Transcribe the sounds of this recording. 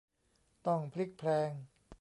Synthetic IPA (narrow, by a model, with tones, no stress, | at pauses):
t̪ɔ˥˩ŋpʰli˦˥k̚pʰlɛː˧ŋ